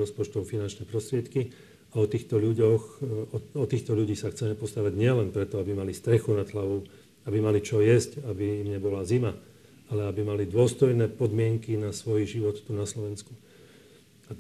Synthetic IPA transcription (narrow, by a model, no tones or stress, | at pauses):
ɾɔspɔt͡ʃt̪ɔʊfinant͡ʃnɛpɾɔst̪ɾɪɛt̪ki | aɔt̪iːxt̪ɔʎuɟɔxɔɔt̪iːxt̪ɔʎuɟiːsaxt͡sɛmɛpɔst̪aʋaɟɲɪɛlɛnpɾɛt̪ɔabimalist̪ɾɛxunad̪ɦlaʋɔʊ | abimalit͡ʃɔjɛzcabimɲɛbɔlazima | alɛabimalid̪ʊɔst̪ɔjnɛːpɔd̪mɪɛŋkinasʋɔjʒiʋɔt̪ːunaslɔʋɛnsku | at